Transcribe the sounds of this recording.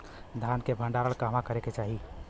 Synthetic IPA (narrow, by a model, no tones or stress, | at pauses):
d̪ʱaːnkebʱə̃ɳɖaːɾəɭkamãkəɾeket͡ʃaːɦi